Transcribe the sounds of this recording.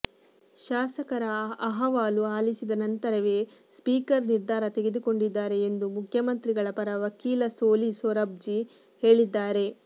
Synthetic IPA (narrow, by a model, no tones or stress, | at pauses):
ʃaːsɐkɐɾɐɐɦɐʋaːluaːlisid̪ɐnɐnt̪ɐɾɐʋeːspiːkɐɾniɾd̪ʱaːɾɐt̪eɡe̞d̪uko̞ɳɖid̪ːaːɾe̞ːnd̪umukʰjɐmɐnt̪ɾiɡɐɭɐpɐɾɐʋɐkiːlɐsoːlisoːɾɐb̚d͡ʒi | he̞ːɭid̪ːaːɾe̞